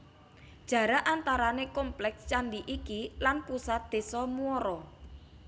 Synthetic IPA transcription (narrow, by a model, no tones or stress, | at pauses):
d̥ʒ̥ä̤ɾaʔant̪aɾanekɔmplɛkst͡ʃandiʔikilanpusat̪̚d̪̥e̤sɔmuɔɾɔ